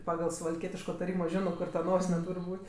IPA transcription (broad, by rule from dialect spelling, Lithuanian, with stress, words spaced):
ˈpɑːɡɐlˠ sʊʋɐlʲˈkʲiɛtʲɪʃkoː tɐˈrʲiːmoː ˈʒʲɪnoː ˈkʊr tɐ ˈnoːsʲɪnʲɛ ˈtuːrʲ ˈbuːtʲ